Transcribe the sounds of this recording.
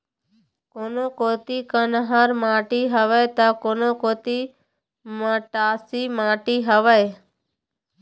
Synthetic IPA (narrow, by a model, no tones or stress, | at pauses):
koːnoːkoːt̪iːkənɦaːɾmãːʈiːɦəʋeːt̪aːkoːnõːkoːt̪iː | mãːʈaːsiːmãːʈiːɦəʋəj